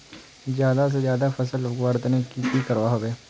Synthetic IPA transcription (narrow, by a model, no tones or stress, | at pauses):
zjaːd̪aːs̬ezjaːd̪aːfʰəsəlɡʋəɾt̪neːkiːt̪iːkəɾʋaːɦoʋeː